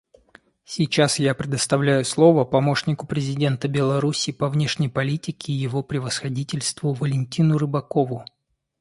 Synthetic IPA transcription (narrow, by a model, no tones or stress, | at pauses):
sʲit͡ɕasjapɾʲɪd̪əst̪ɐvlʲæjʊslˠo̞vəpɐmo̞ʂnʲɪkʊpɾʲɪzʲɪdʲe̞nt̪əbʲɪlˠɐɾusʲiːpɐvnʲe̞ʂnʲɪjpɐlʲitʲɪkʲɪːjɪvo̞pɾʲɪvəsxɐdʲitʲɪlʲst̪vʊvəlʲɪnʲtʲinʊrɨbɐko̞vʊ